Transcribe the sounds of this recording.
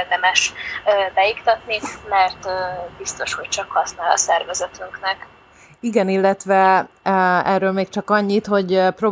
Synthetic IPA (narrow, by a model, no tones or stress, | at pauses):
rd̪ɛmɛʃːbɛikt̪ɒt̪nimɛrt̪ːbist̪o̞ʃho̞c̚t͡ʃɒkhɒsnaːlɒ̰sɛrvɛzɛt̪yŋknɛk | iɡɛnilːɛt̪ʋɛ | ɛrːøːlmeːk̚t͡ʃɒkɒɲːit̪ho̞ɟpro̞